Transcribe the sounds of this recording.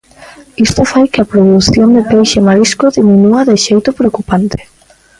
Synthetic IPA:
ist̪ʊfajkɪɐpɾoðuθjond̪epejʃemaliskʊðiminuɐðɪʃejt̪ʊpɾeokupant̪ɪ̥

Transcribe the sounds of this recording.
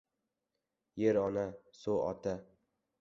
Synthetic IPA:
jeɾɒnasoɒ̰t̪ʰa

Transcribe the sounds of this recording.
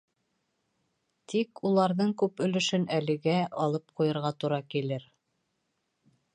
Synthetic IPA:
t̪ʰikulˠɑɾðɤɴkʉpɵ̆lɵ̆ʃɵnælɘ̆ɡæʔɑlˠɤp̚qujɤ̆ɾʁɑt̪uɾɑkilɘɾ

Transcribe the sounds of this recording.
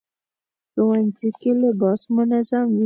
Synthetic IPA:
ɾowanzikelebɑsmʊnazamwi

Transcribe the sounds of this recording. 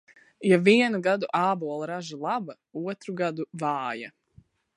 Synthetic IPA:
javiɛnuɡad̪uʔaːbuɔlˠaɾaʒilˠaba | uɔt̪ɾuɡad̪uvaːja

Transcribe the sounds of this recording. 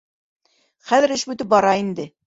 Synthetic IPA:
χæðɘ̆ɾɘʃbʉt̪ɘp̚bɒɾɑind̪ɘ

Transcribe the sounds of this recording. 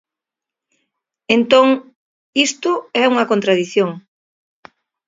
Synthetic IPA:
ent̪oŋ | ist̪ʊɛuŋɐkõnt̪ɾaðiθjoŋ

